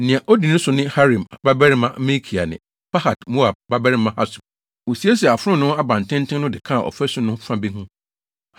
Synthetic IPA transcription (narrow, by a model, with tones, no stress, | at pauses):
nɪ̃˨ã˨ʔɔ˦di˨nʊ̃˦sʊ˨nɪ̃˦ha˦ɾĩ˨m˨ba˦bɛ˦ɾɪ˦mã˦mĩ˦kʰi˨a˨nɪ̰̃˨ | pʰa˦ha˨tmu˦a˨ba˦bɛ˦ɾɪ˦mã˦ha˦sʊ˨ | wo˨si˨˦e˦s̬i˨ɛ˨a˨fʊ˦ɾʊ̃˦nʊ̃˦a˦bã˨n˨tʰɪ̃˦ntʰɪ̃˦nʊ̃˦dɪ˨kʰã˦a˨ʔɔ̰˨fɛ˦sʊ˦nʊ̃˦fã˦bi˦ɦũ˦